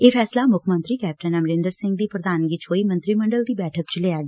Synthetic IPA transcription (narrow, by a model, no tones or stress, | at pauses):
eːpʰɛːslaːmʊkʰmə̃nt̪ɾiːkɛːp̚ʈənəmɾɪ̃nd̪əɾsɪ̃ŋɡ̚d̪iːpɾəd̪aːnɡit͡ʃʰoːiːmə̃nt̪ɾiːməɳɖəld̪iːbɛːʈʰək̚t͡ʃleaːɡeː